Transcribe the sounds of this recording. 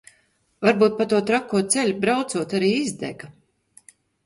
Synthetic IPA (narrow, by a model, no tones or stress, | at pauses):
vaɾbuːt̪̚pat̪uɔt̪ɾakːuɔt̪sɛlʲubɾawt̪suɔt̪aɾiːizd̪ɛ̰ɡa